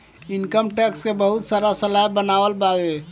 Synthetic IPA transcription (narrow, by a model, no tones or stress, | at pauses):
ɪnkəmʈɛkskebəɦʊt̪saːɾasəlaːjbənaːʋəlbaːɡe